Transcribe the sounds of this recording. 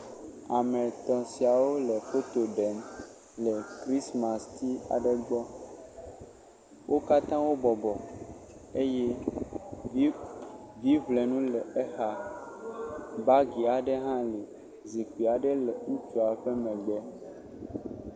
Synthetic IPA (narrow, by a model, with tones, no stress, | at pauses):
a˨mɛ̃˨t̪ɔ̃˨si˨a˨wo˦lɛ˨fo˦t̪o˨ɖɛ˨m | lɛ˨kɾi˦sma˨st̪i˦a̰˨ɖe˦ɡ͡bɔ˦ | wʔo˦ka˦t̪ã˦wo˦bɔ˨bɔ˨ | e˦jɛ˦ | vi˦vle˨nũ˦lɛ˨e˦xa˨ | ba˦ɡi˨a˨ɖɛ˦ɦã˦lɛ˨ | zi˨ki˨a˨ɖɛ˦lɛ˨ŋu˦t͡ʃu˨a˨ɸe˦mɛ̃˨ɡ͡bɛ˦